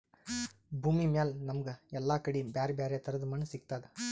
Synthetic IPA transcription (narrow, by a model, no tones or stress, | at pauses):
bʱuːmimjaːlnɐmɐɡeɛlːaːkɐɽibjaːɾebjaːɾjɐt̪ʰɐɾɐd̪ɐmaːnusiɡ̚t̪aːd̪e